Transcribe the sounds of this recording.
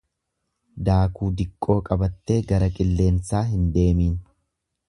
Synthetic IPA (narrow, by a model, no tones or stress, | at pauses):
d̪aːkuːd̪ɪkʼːo̞ːkʼɐbɐt̪ːe̞ːɡɐɾɐkʼɪlːe̞ːnsaːɦɪnd̪e̞ːmiːn